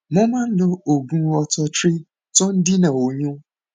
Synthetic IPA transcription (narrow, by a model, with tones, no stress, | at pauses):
mɔ̃˦mã˦n̩˦dʊ˦o˨ɡũ˦ɔ˦tʰɔ˦t͡ʃɾɪ˦ | tɔ˦n̩˦di˦nã˨wo˨ɲũ˦